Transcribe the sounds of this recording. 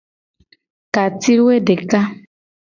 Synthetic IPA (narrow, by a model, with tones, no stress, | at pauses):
ka˨ti˦ɾwe˦de˨ka˦